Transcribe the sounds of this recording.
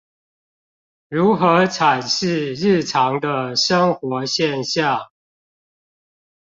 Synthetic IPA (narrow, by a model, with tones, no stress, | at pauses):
ɻu˨˦˥xɤ˧˥ʈ͡ʂʰa˨˩nɕi˥˧ɻɻ̩˥˩ʈ͡ʂʰɑ˨˦ŋd̪ə˧ʂə˦ŋxwɔ˧˦ɕjɛ˥˨nɕja˥˨